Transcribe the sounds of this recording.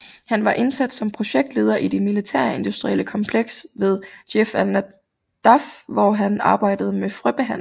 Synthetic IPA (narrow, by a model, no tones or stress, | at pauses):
hænʋɑ̈ʔe̝nsæd̥sɒ̽mpʰʁo̝ɕeɡ̥̚d̥le̝ːð̞ˠɐʔid̥e̝milit͡sʰæɐ̰e̝nd̥usd̥ʁieləkʰɒ̽mpʰleɡ̥sʋe̝ð̞ˠd̥efælnæ | d̥ɑfʋɒɦænɑ̈ːb̥ɑ̈ɪ̰d̥əð̞ˠəmefʁib̥eɦæn̰